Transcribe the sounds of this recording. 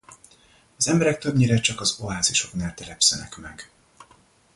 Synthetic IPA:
ɒzɛmbɛɾɛk̚t̪ø̞bɲiɾɛt͡ʃɒkɒzoaːziʃo̞knaːlt̪ɛlɛpsɛnɛ̰kmɛɡ̥

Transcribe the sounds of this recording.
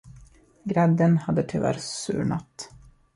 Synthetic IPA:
ɡɾɛd̪ːənhad̪ːət̪ʰʏvæ̰ɾssʉ̟̰ːɳat̪

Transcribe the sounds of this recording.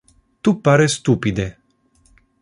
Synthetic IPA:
t̪upaɾest̪upid̪e

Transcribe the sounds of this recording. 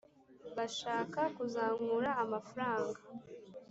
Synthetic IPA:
βaʃaːkakuzaːŋuɾaːmafaɾaːŋɡa

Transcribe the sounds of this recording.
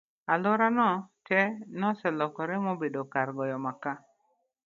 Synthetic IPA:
alʊɾanɔt͡ʃɛnɔsɛlɔkɔɾɛmobedokaɾɡɔjɔmaka

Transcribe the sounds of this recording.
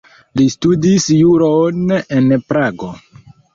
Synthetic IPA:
listudisjuɾonenpɾaɡo̞̰

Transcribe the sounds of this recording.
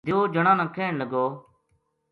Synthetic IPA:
d̪ɪoːd͡ʒəɽ̃ãːnãːkʰeːɳləɡoː

